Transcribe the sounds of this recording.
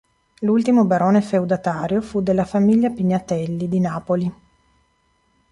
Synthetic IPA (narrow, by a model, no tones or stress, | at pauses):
lult̪imobaɾoːnefewd̪at̪aːɾjofud̪elːafamiʎːapiɲːat̪ɛlːid̪inaːpoli